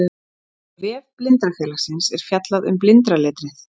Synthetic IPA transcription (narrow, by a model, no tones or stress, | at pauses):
vɛːvplɪnt̪ɾafɛːlasɪnsɛɾ̥fjat̪laðʏ̰mplɪnt̪ɾalɛːt̪ɾɪθ